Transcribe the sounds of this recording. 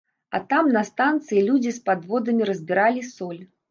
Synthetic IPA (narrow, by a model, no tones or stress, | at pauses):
ɐ̰t̪amnɐst̪ant̪sɨjilʲud͡zʲispad̪vɔd̪ɐmʲiɾɐzʲbʲiɾalʲisɔlʲ